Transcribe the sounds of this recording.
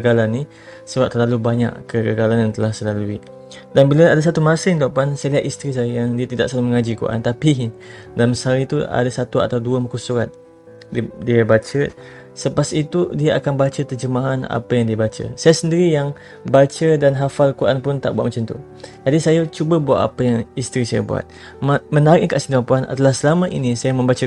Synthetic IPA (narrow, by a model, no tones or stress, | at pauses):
kəɡalanːi | səwat̚t̪ərlalubaɲa̰ʔkəɡəɡalanant̪əlahsəlalui | danbiləadas̬at̪umasɪŋt̪aʔpansajaliɦat̪ist̪ɾis̬ajəjaŋdiat̪ida̰ʔsalhməŋad͡ʒikṵʔa̰nt̪api | dalamsalit̪ua̰dasat̪ua̰t̪awduəmukusuɾat̪̚ | didiəbat͡ʃə | səpasit̪udiəʔa̰kanbat͡ʃət̪ərd͡ʒəmaɦana̰pəjaŋdiabat͡ʃə̰sajasəndiɾijaŋ | bat͡ʃədanɦafalkuɾʔa̰npʊnt̪aʔbuat̪̚mat͡ʃamt̪ṵ | d͡ʒadisajat͡ʃubəbua̰ʔa̰pəjaŋist̪ɾisaja̰bṵa̰t̪̚ | mmə̃naɾɪʔkaʔsindapuana̰dalahsəlamə̃ʔḭnisajamə̃mbat͡ʃə